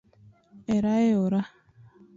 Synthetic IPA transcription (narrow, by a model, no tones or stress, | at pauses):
eɾaeoɾa